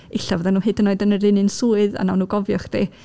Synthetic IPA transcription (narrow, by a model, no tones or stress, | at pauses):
ɪɬavəðanuːhɨdənːoːɨdənəɾɪnɨnsuːɨða̰nawnːuːɡɔvjɔχd̥ḛː